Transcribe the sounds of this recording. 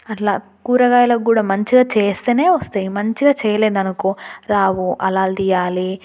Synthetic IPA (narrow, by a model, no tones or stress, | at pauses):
ɐʈla̰ː | kuːɾɐɡaːjɐlɐɡuːɽaːmɐɲt͡ʃiɡaːt͡ʃeːst̪eːne̞ːʋɐst̪aːjimɐɲt͡ʃiɡaːt͡ʃɛːjɐleːd̪ɐnɐkoːɾaːwuʔɐlaːld̪ijaːli